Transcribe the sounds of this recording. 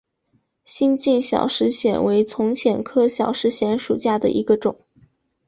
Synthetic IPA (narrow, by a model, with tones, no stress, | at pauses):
ɕi˥˧nt͡ɕi˥˩nɕjɑ̰˨˩ʊʂɻ̩˧˥ɕjɛ˨˩nwe˧˥ɪt͡sʰʊ˧˥ŋt͡ɕʰjɛ˨˩nkʰɤ˥ɕjɑ˨˩ʊʂɻ̩˧˥ɕjɛ˧˥nʂu˨˩t͡ɕja˥˩d̪ə̰˩ʔi˧˥ɡə˧ʈ͡ʂʊ˨˩˦ŋ